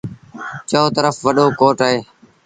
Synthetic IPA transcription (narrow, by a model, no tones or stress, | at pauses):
t͡ʃoːt̪əɾəfʋəɗoːkoːʈaːɦeː